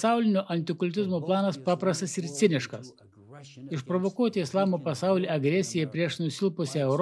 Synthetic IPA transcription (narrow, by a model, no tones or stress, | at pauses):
sɑˑʊlʲɪnʲʊʔɐnʲt̪ʲɪkʊlʲt̪ʲɪzmuːplˠɑːnɐspɑːpɾɐst̪ɐsɪɾsʲɪnʲɪʃkɐs | ɪʃpɾɔʋɔkuɔt̪ʲɪɪslˠɑːmuːpɐsɑʊlʲiʔɐɡɾʲɛsʲɪjɛpʲɾʲiɛʃnʊsʲɪlˠpʊsʲɛɛʊɾ